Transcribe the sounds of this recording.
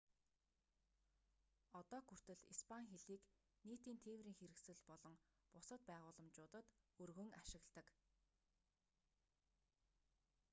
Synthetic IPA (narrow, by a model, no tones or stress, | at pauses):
ɔt̪ɔːxur̥t̪ɘ̆ɮispʰaŋxeɮiːk | neːt̪iːnt̪ʰeːwriːŋxeɾɘ̆ksɘ̆ɮpɔɮɞ̆ŋ | pʊsə̆t̪̚pæːʁʊːɮə̆mt͡ɕʊːt̪ə̆t̪ɵrɣɵ̆ŋaʃɪ̆ɣɮt̪ə̆k